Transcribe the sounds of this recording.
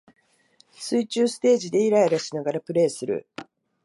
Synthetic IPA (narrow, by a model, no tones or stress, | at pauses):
sɨit͡ɕɨːsɨ̥t̪e̞ːʑid̪e̞iɾaiɾaɕinaɡaɾapɯ̟ɾe̞ːsɨɾɯ̟̰